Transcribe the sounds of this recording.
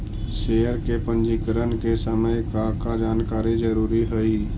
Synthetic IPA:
ʃeːjəɾkepə̃nd͡ʒikəɾənkesəməjkakad͡ʒaːnkaːɾid͡ʒəɾuːɾiɦəi

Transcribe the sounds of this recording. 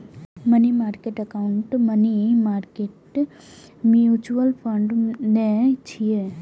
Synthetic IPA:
mənimaːɾkeʈəkaʊɳʈmənimaːɾkeʈ | mjuːt͡ʃuəlpʰə̃ɳɖnet͡ʃʰie

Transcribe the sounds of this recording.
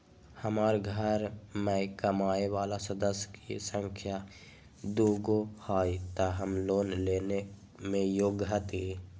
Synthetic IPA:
həmaːɾɡʱəɾmẽkəmaːeʋaːlasəd̪əsjkisə̃ŋkʰja | d̪uːɡohaːjt̪aɦəmloːnleːne | mẽjoːɡɦət̪i

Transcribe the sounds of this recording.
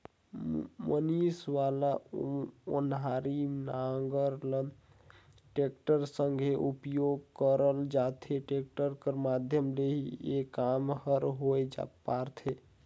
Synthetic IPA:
mənisʋala | o̰nɦaɾimnaŋɡəɾlən | ʈekʈəɾsəŋɡʱeʔupjoɡkəɾəld͡ʒat̪ʰeʈek̚ʈəɾkəɾmad̪ʱjəmleɦiekamhəɾɦojd͡ʒa̰paɾt̪ʰe

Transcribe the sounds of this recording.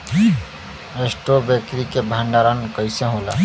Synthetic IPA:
esʈobeːkɾikebʱãːɳɖaːɾankəɪseɦoːla̰

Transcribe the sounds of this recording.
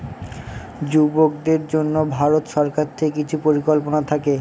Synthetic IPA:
d͡ʑubok̚d̪eɾd͡ʑonːobʱaɾot̪ʃɔɾkaɾt̪ʰeek̬it͡ɕʰupoɾikolponat̪ʰake

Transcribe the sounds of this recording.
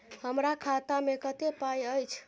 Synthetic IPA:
həmɾakʰat̪amekət̪epajəjt͡ʃʰ

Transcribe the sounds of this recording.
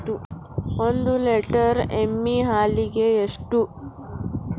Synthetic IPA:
ʈuond̪uleʈɐɾemːiɦaːliɡe̞ːʂʈu

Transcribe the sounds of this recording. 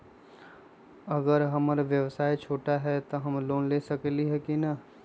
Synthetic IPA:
əɡəɾɦəmɾʋjəʋsaːit͡ʃʰoːʈaɦɛt̪ɔɦəmloːnlesəkliɦɛkina

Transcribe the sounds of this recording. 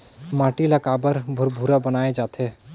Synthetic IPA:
maːʈilɐkaːbəɾbʱʊɾbʱuɾabɐnaːed͡ʒaːt̪ʰeː

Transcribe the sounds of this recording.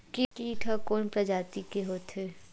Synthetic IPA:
kikiːʈʰɐkoːnpɾɐd͡ʒaːt̪ikeɦoːt̪ɦe

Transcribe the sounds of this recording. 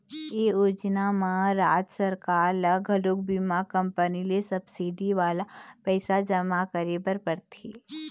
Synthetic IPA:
eːjoːd͡ʒnamãɾaːd͡ʒsəɾkaːɾlɐɡʱəlok̚bimakɐ̃mpənilesɐbsiɖiʋaːlapɛːsad͡ʒəmakəɾebəɾpɐɾt̪ʰeː

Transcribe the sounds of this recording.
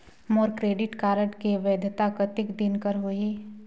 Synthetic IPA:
moːɾkɾeːɖɪʈkaːɾəʈkeʋeːd̪ʱt̪akət̪ɪkd̪ɪnkəɾɦoiː

